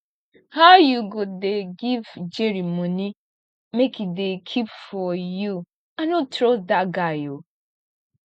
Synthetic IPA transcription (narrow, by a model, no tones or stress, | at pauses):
haʊjuɡodeɡivd͡ʒɛɾimoni | mekidekʰipfɔju | anotɾodaɡaɪo